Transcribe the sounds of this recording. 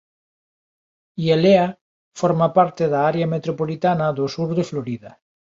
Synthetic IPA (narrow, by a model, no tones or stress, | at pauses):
ielea | foɾmapaɾt̪eðaaɾeamet̪ɾopolit̪anaðosuɾðefloɾiða